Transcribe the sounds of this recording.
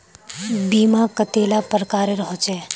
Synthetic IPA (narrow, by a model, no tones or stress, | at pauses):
biːmakət̪eːlapəɾkaːɾeɾɔɦot͡ʃɛː